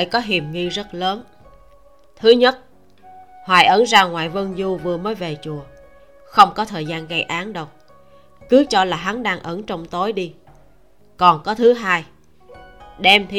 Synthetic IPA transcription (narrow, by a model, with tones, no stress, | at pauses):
ə˧˨jkɔ˨˦ɦi˨˩əmŋi˧zə˦˥t̚ləː˨˦n | t̪ʰɨ˨˦ɲə˦˥t̚ | hwaː˨˩jʔə˧˦nzaː˧ŋwa̰ː˧˨jvə˧nzu˧vɨ˨˩əməː˨˦jve˨˩t͡ɕu˨˩ə | xə˧wŋ͡mkɔ˨˦t̪ʰəː˨˩jzaː˧nɣa˧jʔaː˨˦nɗə˨˩wk͡p̚ | kɨ˨˦t͡ɕɔ˧laː˨˩ɦa˨˦nɗaː˧ŋʔə˧˦nt͡ɕɔ˧wŋ͡mt̪o˨˦jɗi˧ | kɔ˨˩nkɔ˨˦t̪ʰɨ˨˦ɦaː˧j | ɗɛ˧mt̪ʰi˧